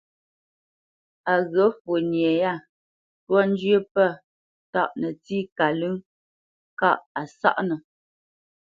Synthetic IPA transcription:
a˨ɣə˨˦fo˨nje˨ja˦˨ | twɔ˦n˦d͡ʒjə˦pə˦˨ | ta̰˦˨ʔnə˨ti˦ka˨lʉ˦ŋ | ka̰˦ʔa˨sa̰˦ʔnə˨

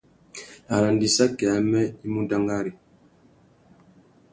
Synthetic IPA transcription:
a˨ɾa˨ndi˨sa˦kɛ˨a˦mɛ˦i˦mu˦da˦ŋɡa˦ɾi˨

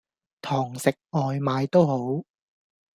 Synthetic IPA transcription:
t̪ʰɔː˨˩ŋsɪ˨k̚ɔː˨jmaː˨˧jt̪o˥who˨˥w

